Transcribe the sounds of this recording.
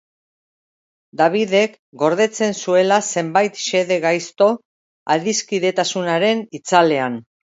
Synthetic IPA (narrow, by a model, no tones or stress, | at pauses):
d̪aβ̞iðe̞k | ɡo̞ɾðe̞t͡se̞nsue̞lase̞mbajt̪ʃe̞ðe̞ɣajst̪o̞ | aðiskiðe̞t̪asunaɾe̞nit͡sale̞an